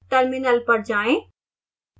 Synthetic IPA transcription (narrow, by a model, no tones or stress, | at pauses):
ʈəɾmɪnəlpɐɾd͡ʑaːẽ